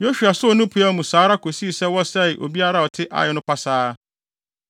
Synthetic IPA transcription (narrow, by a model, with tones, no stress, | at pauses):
jo˦ɕᶣu˨a˨sʊ˦ɔ˨˦nʊ̃˦pʰu˨˦a˦mũ˨saː˨˦ɾa˦kʰo˨si˦˨sɛ˦wɔ˦sɛ˦˨ʔo̰˨bi˦a˦ɾa˦˨ɔ˨tʰɪ˦ʔa̰˨jɛ˨nʊ̃˦pa˦saː˦